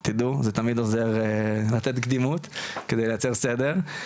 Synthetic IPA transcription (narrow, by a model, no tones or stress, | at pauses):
t̪id̪uzet̪amid̪ozeʁlat̪et̪ɡd̪imut̪ked̪ejlejat͡se̞ʁsed̪e̞ʁ